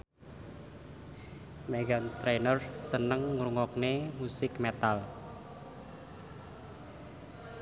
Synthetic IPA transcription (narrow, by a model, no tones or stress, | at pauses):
meɡant̪ɾenərsənəŋːɾuŋɔk̚nemusɪkmet̪al